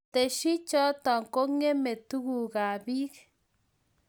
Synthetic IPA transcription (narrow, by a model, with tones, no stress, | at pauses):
te˨ʃi˦t͡ʃɔ˦tɔ˨ŋko˦ŋe˦me˨tu˦ɡu˨ka˨bi˦k